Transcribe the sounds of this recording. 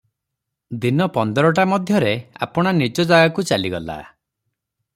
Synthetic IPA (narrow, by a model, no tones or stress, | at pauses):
d̪inɔpɔnd̪ɔɾɔʈ̬amɔd̪ʱjɔɾea̰pɔɽ̃anid͡ʒɔd͡ʒaɡakut͡ʃaliɡɔ̰la̰